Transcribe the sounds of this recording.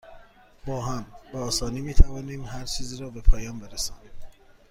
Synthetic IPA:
b̥ɒːɦæmb̥eɒːsɒːniːmiːt̪ʰævɒːniːmɦæɾt͡ʃʰiːziːɾɒːbe̞pʰɒːjɒːmbe̞ɾesɒːniːm

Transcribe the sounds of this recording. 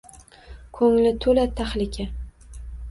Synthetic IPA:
kʰɵŋlɪt̪ʰɵlat̪ʰaχlɪkʲʰa

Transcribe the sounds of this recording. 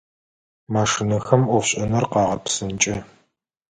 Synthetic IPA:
maːʂɨnɐxɐmʔʷɔfɕʼɐnɐrqɑːʁɐpsɨnt͡ʃʼɐ

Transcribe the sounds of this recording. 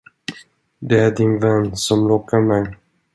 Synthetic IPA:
d̪ɛæɖɪnvɛnːsɔmɾoːkːaɾmɛj

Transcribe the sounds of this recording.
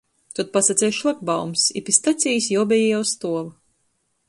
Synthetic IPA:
t̪ut̪̚pasat̪sʲɛjʃlˠak̚bawmsḭpʲist̪at̪sʲijsʲjɔːbʲɛjɛjawst̪uɔv

